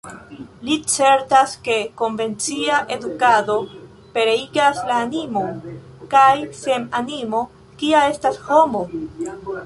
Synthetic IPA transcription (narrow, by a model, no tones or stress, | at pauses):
lit͡se̞ɾtaske̞ko̞nve̞nt͡siaʔe̞dukado̞ | pe̞ɾe̞iɡaslaːnimo̞nkajse̞manimo̞ | kiae̞stasho̞mo̞